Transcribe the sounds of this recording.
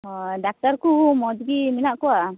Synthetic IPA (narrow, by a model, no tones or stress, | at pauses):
ɖak̚ʈaɾkumɔd͡ʒɡiminaʔkua